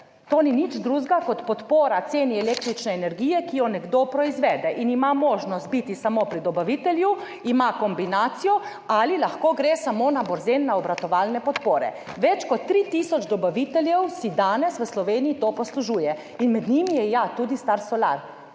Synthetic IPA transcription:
t̪oːninit͡ʃd̪ɾuːzɡakɔt̪pɔt̪poːɾat̪seːniɛleːkt̪ɾit͡ʃnɛːnɛɾɡiːjɛkijɔnɛɡd̪opɾɔizʋɛːd̪ɛʔinimamoːʒnɔst̪̚bit̪isamopɾid̪ɔbaʋit̪ɛlju | imakɔmbinaːt̪sijɔ | alilaxkoːɡɾesamoːnabɔɾzenːaɔbɾat̪ɔʋaːlnɛpɔt̪poːɾɛ̰ | ʋɛt͡ʃkɔt̪ːɾit̪isɔd͡ʒd̪ɔbaʋit̪ɛljɛwsid̪aːnɛsʋəslɔʋeːnijit̪oːpɔsluʒuːjɛ | inmɛd̪nimijɛjat̪ud̪ist̪aɾsɔla̰ɾ

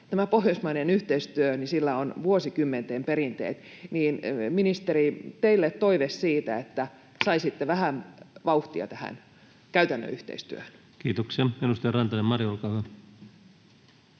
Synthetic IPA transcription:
t̪æmæpohjosmɑinenyht̪eist̪yønisilːæonʋuosikymːent̪eːmpeɾint̪ḛːt̪niːnminist̪eɾit̪eilːet̪t̪oiʋessiːt̪æet̪ːæ | sɑisit̪ːeʋæhænʋɑuht̪iɑ̰t̪æhæ̰n | kæyt̪ænːø̰yht̪ḛist̪yø̰høn | kiːt̪oksiɑenust̪ɑrɑnt̪ɑnemmɑrjolkɑːhæ

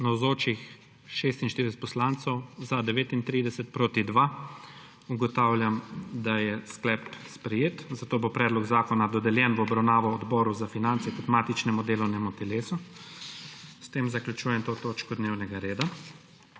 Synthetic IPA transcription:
nawzoːt͡ʃix | ʃeːst̪inʃt̪iɾid̪ɛsɛt̪̚pɔslaːnt̪sɔwzad̪ɛʋeːt̪int̪ɾiːd̪ɛsɛt̪̚pɾoːt̪id̪ʋa | uɡɔt̪aːwlʲjamd̪ajɛsklɛpspɾɛjeːt̪zat̪oːbopɾɛːd̪lɔɡzaːkɔnad̪ɔd̪ɛljɛnʋɔbɾawnaːʋɔːd̪bɔːɾuzafinantsɛk̪ɔt̪mat̪it͡ʃnɛmud̪eːlɔwnɛmut̪ɛleːsu | st̪eːmzaklʲut͡ʃuːjɛmt̪oːt̪oːt͡ʃkɔd̪neːwnɛɡaɾeːd̪a

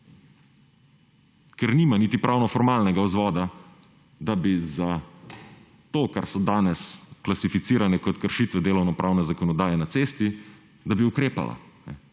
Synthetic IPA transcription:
kɛɾniːmaniːt̪ipɾʔawnɔfɔɾmaːlnɛɡaɔzʋɔːd̪a | d̪abiza | t̪oːka̰ɾsɔd̪aːnɛsklasifit̪siːɾanɛkɔt̪kəɾʃiːt̪ʋɛd̪eːlɔwnɔpɾʔaːwnɛzakɔnɔd̪aːjɛnat̪seːst̪i | d̪abiukɾeːpa̰la̰nɛ̰

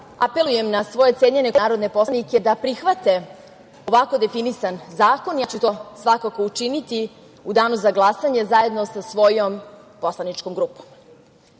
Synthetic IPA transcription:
ape̞luje̞mnasʋo̞je̞t̪seɲene̞kaɾo̞d̪ne̞po̞snike̞d̪apɾixʋat̪e̞ | o̞ʋako̞d̪e̞finisanzaːko̞njat͡ɕut̪o̞sʋakako̞ut͡ʂinit̪i | ud̪aːnuzaɡlˠasaɲe̞zaje̞d̪nosasʋo̞jom | po̞slˠanit͡ʃkomɡɾuːpo̥m

